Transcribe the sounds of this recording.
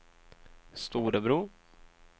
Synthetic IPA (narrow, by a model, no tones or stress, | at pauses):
st̪uːɾəbɾuː